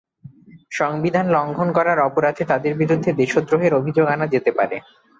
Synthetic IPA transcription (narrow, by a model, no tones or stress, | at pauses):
ʃɔŋbid̪ʱanlɔŋɡʱonkɔɾaɾɔpoɾad̪ʰʱet̪ad̪eɾbiɾud̪ʱːed̪eʃod̪ɾoɦeɾobʱid͡ʑoɡanad͡ʑet̪epaɾḛ